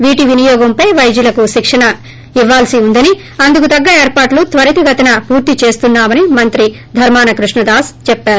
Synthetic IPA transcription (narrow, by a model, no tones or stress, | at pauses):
ʋiːʈiʋinijɔːɡɐmpɐjʋɐjd͡ʒulɐkuʃikʂɐɳɐ | iʋːaːlsiund̪ɐni | ɐnd̪ukut̪ɐɡːɐeːɾpaːʈlut̪ʋɐɾit̪iɡʱɐt̪ɐnɐpuːɾt̪it͡ʃe̞ːst̪unːaːmɐnimɐnt̪ɾi | d̪ʱɐɾmaːnɐkɾuʂɳɐd̪aːst͡ʃɛpːaːɾu